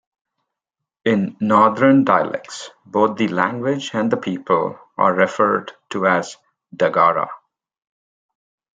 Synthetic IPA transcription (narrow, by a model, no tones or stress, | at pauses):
ɪ̃nːɔːd̪ənɖaɪə̰lʔɛ̰k̚s | boːt̪̚d̪ilæ̃ŋɡwɪd͡ʒæ̃nd̪əpʰiːpəl | a̰ːɛfəɾɖʈʰuæz | ɖəɡɑːɾə̰